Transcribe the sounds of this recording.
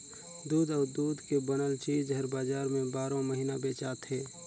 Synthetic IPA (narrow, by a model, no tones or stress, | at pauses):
d̪uːd̪ɔːɾd̪uːd̪kebənəlt͡ʃiːd͡ʒɦəɾbaːd͡ʒaːɾmẽbaːɾõməɦiːnabeːt͡ʃaːt̪ɦɛː